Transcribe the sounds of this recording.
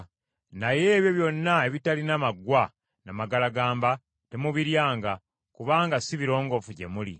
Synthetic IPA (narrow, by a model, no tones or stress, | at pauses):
naje̞ːβjo̞βjo̞nːae̞βitalinamaɡwa | namaɡalaɡaːmba | te̞muβiɾjaːŋɡa | kuβaːŋɡasiβiɾo̞ːŋɡo̞fuɟe̞̰mulḭ